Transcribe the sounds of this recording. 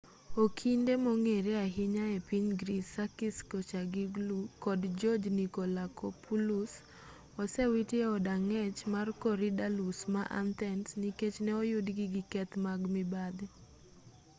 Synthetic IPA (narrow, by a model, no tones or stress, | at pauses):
okʰindemɔŋeɾeaɦɪɲaepiɲɡɾisakiskot͡ʃaɡiɡlukɔdd͡ʒɔd͡ʒnikolakʰopulus | ɔsɛwitjeɔdaŋɛt͡ʃmarkɔɾidalusmaʔa̰nt̪ɛnsniket͡ʃnɛɔjʊdɡɪɡɪkɛt̪maɡmɪbad̪e